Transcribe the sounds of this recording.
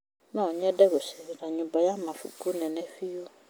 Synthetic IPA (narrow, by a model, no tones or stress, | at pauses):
nãoɲɛ̃ɖɛbosɛɾiɾaɲũbajamãfṵkunɛ̃nɛ̃fiwo